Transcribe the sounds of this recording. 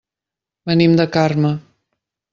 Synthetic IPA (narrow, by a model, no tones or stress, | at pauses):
bənimd̪əkarmə